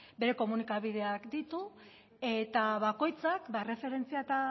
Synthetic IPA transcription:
be̞ɾe̞ko̞munikaβið̞e̞akd̪it̪u | e̞t̪aβako̞jt͡sakbaere̞fe̞ɾe̞nt͡siat̪a

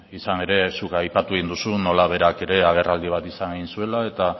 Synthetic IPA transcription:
isane̞ɾe̞sukajpat̪ue̞ɣind̪usuno̞laβ̞e̞ɾake̞ɾe̞aɣ̞e̞rald̪iβ̞at̪isaneɣinsue̞lae̞t̪a

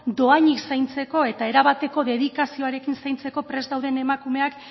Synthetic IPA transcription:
d̪o̞aɲiksajnt͡se̞ko̞e̞t̪ae̞ɾaβat̪e̞ko̞ðe̞ð̞ikasio̞aɾe̞kinsajnt͡se̞ko̞pɾe̞zd̪awð̞e̞ne̞makume̞ak

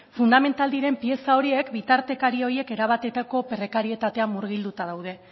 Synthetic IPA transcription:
fund̪ame̞nt̪ald̪iɾe̞mpie̞sao̞ɾie̞kbit̪aɾt̪e̞kaɾio̞ɾie̞ke̞ɾaβ̞at̪e̞t̪ako̞perekaɾie̞t̪at̪e̞amːuɾɣild̪ut̪að̞awð̞e̞

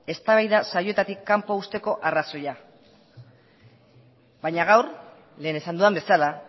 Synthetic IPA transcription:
e̞st̪aβajðasajo̞e̞t̪at̪ikːampoust̪e̞ko̞ʔaraso̞ja | bajɲaɣ̞awɾ | le̞ːne̞sand̪uambe̞sala

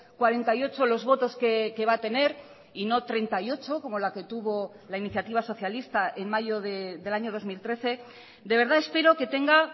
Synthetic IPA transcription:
kwaɾe̞nt̪ajo̞t͡ʃolo̞zβot̪o̞skeke̞βat̪e̞ne̞ɾ | ino̞t̪ɾe̞nt̪ajo̞t͡ʃo̞ko̞mo̞lake̞t̪uβo̞ | lainiθjat̪iβ̞aso̞θjalist̪aʔenmaʝo̞ðeðe̞laɲo̞ð̞o̞zmilt̪ɾe̞θe̞ | d̪e̞β̞e̞ɾð̞ae̞spe̞ɾo̞ke̞t̪e̞ŋɡa

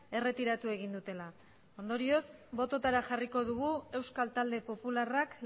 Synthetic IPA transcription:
e̞re̞t̪iɾat̪ue̞ɣind̪ut̪e̞la | o̞nd̪o̞ɾio̞sbo̞t̪o̞t̪aɾaxariko̞ð̞uɣ̞ue̞wskalt̪ald̪e̞po̞pularak

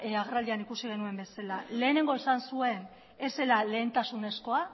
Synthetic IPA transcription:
aɣerald̪ianikusiɣ̞e̞nue̞mbe̞salale̞ːne̞ŋɡo̞esansue̞n | e̞se̞lale̞ːnt̪asune̞sko̞a

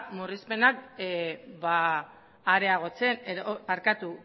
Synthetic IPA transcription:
murispe̞nak | baː | ɾe̞aɣ̞o̞t͡se̞neopaɾkat̪u

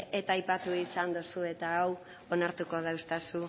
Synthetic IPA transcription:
e̞t̪ajpat̪uisand̪usue̞t̪aːw | o̞naɾt̪uko̞ð̞awst̪asu

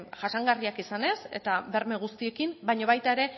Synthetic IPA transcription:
ʝaʃaŋɡariakisane̞se̞̰t̪aβe̞ɾme̞ɣust̪ie̞kimbajɲaβajt̪aeɾe̞

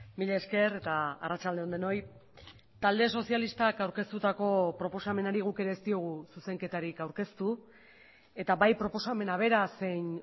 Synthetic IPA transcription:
miʎe̞ːske̞ɾe̞t̪aa̰rat͡ʃald̪eo̞nd̪e̞no̞j | t̪ald̪eso̞sialist̪akawɾke̞st̪ut̪ako̞pɾo̞po̞same̞naɾiɣ̞uke̞ɾe̞ːst̪io̞ɣ̞ususe̞ŋke̞t̪aɾikawɾke̞st̪u | e̞t̪aβajpɾo̞po̞same̞naβ̞e̞ɾase̞jn

